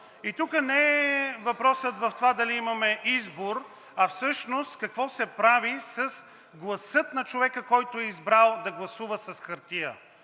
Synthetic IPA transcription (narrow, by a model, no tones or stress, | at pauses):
it̪ukənɛɛvɐpɾɔsət̪vɐft̪ovad̪ɐliimɐmɛʔizboɾ | ɐfsɤʃnost̪kɐkvɔsɛpɾavisɐs | ɡlˠɐsɤt̪nɐt͡ʃovɛkəkɔjt̪ʊɛizbɾalˠd̪ɐɡlˠɐsuvəsɐsxɐɾt̪iə̰